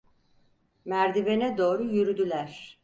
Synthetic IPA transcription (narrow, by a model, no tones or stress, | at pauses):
mæɾd̪ibenɛd̪o̞ːɾujyɾyd̪ylʲæɾ̥